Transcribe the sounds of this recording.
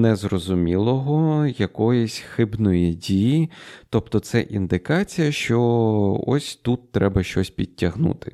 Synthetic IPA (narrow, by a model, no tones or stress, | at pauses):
nɛzrɔzʊmʲilˠɔɦɔjɐkɔjɔsʲxɪbnɔjɛdʲijit̪ɔpt̪ɔt̪sɛʔind̪ɪkɑt͡sʲijɐʃt͡ʃɔɔ̰sʲt̪ut̪ːɾɛbɐʃt͡ʃɔsʲpʲid̚ʲːɐɦnṵt̪ɪ̥